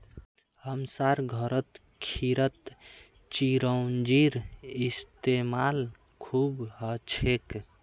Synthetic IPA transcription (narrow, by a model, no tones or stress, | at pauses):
həmsaɾɡʱəɾət̪ | kʰiɾət̪ | t͡ʃiɾəwnd͡ʒiɾist̪emal | kʰubɦət͡ʃʰek